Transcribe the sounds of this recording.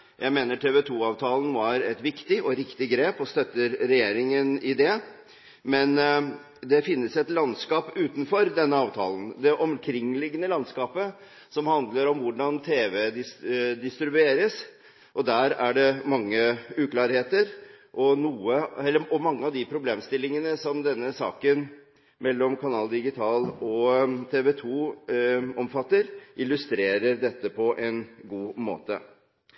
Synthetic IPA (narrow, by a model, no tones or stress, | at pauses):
jʔæɪmeːnəʈʰeːʋɛt̪ʰuːɑːʋt̪ʰɑːlnʋɑɾɛt̪ʋɪkt̪ɪʔɔɾɪkt̪ɪɡɾeːpɔst̪œt̪ːəɾɾɛjeːɾɪŋənɪd̪ɛ | mɛn | d̪ɛfɪnːəsɛt̪lɑnskɑːpʉːt̪nfɔɾd̪ɛnːəɑːʋt̪ʰɑ̰ːlnd̪ɛʔɔmkʰɾɪŋːlɪɡənəlɑnskɑːpə | sɔmhɑnd̪ləɾɔmʋʊɖɑnt̪ʰeːʋɛd̪ɪd̪ɪst̪ɾɪbʉeːɾəs | ʔɔd̪æːɾæɖɛmɑŋːəʉːkʰlɑːɾheːt̪əɾʔɔnuːəɛlːəɔmɑŋːəɑʋd̪ɪpʰɾʊbleːmst̪ɪlːɪŋənəsɔmd̪ɛnːəsɑ̰ːkən | mɛlːɔmkʰɑnɑːld̪ɪɡɪt̪ʰɑːlɔt̪ʰeːʋɛt̪ʰuː | ɔmfɑt̪ːəɾʔɪlːʉst̪ɾeːɾəɾɖ̪ɛt̪ːəpʰɔʔɛnɡuːmo̰ːt̪ə̰